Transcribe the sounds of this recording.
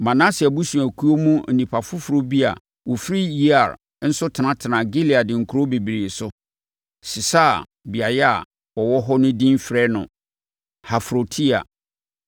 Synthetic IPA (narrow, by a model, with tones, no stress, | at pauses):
mã˨nã˦si˨a˨bu˦sũ˨æ˨kʰu˦o˦mṵ̃˦˨nĩ˨pʰa˨fʊ˦fʊ˨ɾo˦bi˦a̰˨ | wɔ˨fɾi˦ji˦a˨ɾ | n̩˦sʊ˦tʰɪ˨nã˦tʰɪ˨nã˨ɡe˦li˨a˨dɪ̃˨ŋ̩˨kʰu˨˦o˦be˨bi˨ɾi˨sʊ˦ | si˨sa˦˨ | bi˨a˨jɛ˦a˨ | ɔ˨wɔ˦ɦɔ˦nʊ̃˦dĩ˦m˦fɾɛ˦nʊ̰̃˨ | ha˨fɾo˨tʰi˦a̰˨